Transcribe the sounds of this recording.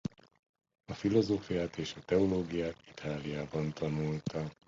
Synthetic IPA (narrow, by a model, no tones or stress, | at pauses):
ɒfilo̞zoːfijaːt̪eːʃɒt̪ɛoloːɡijaːt̪it̪ʰaːlijaːbɒnt̪ɒnult̪ɒ